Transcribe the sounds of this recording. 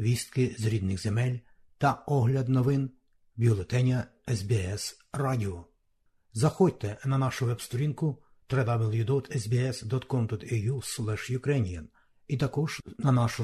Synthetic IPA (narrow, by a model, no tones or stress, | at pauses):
ʋʲist̪̚kɪzɾʲid̪nɪɣzemɛlʲ | t̪ɐɔɦlʲɐd̪nɔʋɪn | bʲiɔlˠet̪ɛnʲɐɛzbʲiɛs | rɑdʲiɔ | zɐxɔd̚ʲt̪ɛnɐnɑʃʊʋɛbst̪ɔɾʲinkʊ | t̪ɾɛd̪ɑbɪlʲˠjud̪ɔt̪ʰɛzbʲiɛsd̪ɔt̪kɔmt̪ɔt̪ɛjuslˠɛʃjʊkɾɛnʲijɐn | it̪ɐkɔʒnɐnɑʃʊ